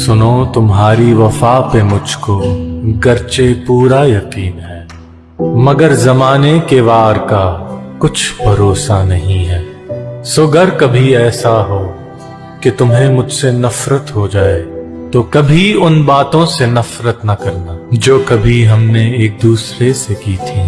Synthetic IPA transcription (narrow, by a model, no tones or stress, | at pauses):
sʊnot̪ʊmɦaːɾiʋɐfaːpemʊd͡ʒʱkoɡɐɾt͡ʃepuːɾajɐqiːnɦɛː | mɐɡəɾzɐmaːnekeʋaːɾkakʊt͡ʃʰbʱɐɾoːsanɐɦĩɦɛː | soɡɐɾkɐbʱiɛːsaɦoː | ket̪ʊmɦemʊd͡ʒʱsenɐfɾət̪ɦod͡ʒaːe | t̪okɐbʱiʊnbaːt̪õsenɐfɾət̪nɐkɐɾnaːd͡ʒoːkɐbʱiɦɐmneeːk̚d̪uːsɾesekiːt̪ʰiː